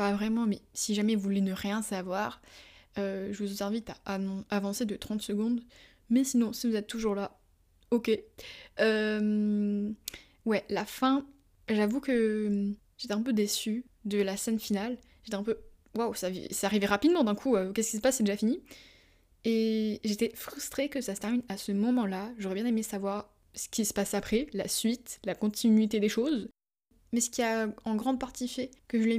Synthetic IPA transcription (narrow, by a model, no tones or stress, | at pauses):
pavʁɛmɑ̃mɛsiʒamɛvulenəʁjɛ̃savwaʁøʒəvuzɛzɛ̃vit̪aʔãavɑ̃sed̪ət̪χɑ̃t̪səɡɔ̃d̪ | mɛsinɔ̃sivuzɛt̪ːuʒuʁla | okʲeøm | wɛlafɛ̃ | ʒavukəm | ʒ̥et̪ɛɛ̃p̬ød̪esy | d̪əlasɛnfinal | ʒet̪ɛɛ̃pø | wawsavḭsɛaʁivɛʁapid̪mɑ̃d̪ɛ̃kʰuøkʲɛskʲisə̥pasːɛd̪eʒafini | eʒet̪ɛfχyst̪χekəsasə̥t̪ɛʁminasəmɔmɑ̃laʒoʁɛbjɛ̃nemesavwaʁ | sə̥kʲisə̥pasapχɛla̰sɥit̪lakɔ̃t̪ʰinɥit̪ed̪eʃoz | mɛsə̥kʲiaɑ̃ɡʁɑ̃d̪̚paʁt̪ifɛkəʒəlɛ